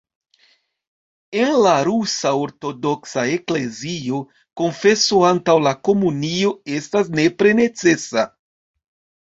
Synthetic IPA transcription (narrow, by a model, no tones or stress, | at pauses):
e̞nlaɾusao̞ɾto̞do̞ksae̞kle̞zio̞ | ko̞nfe̞soantawlako̞munio̞e̞stas̬ne̞pɾe̞ne̞t͡se̞sa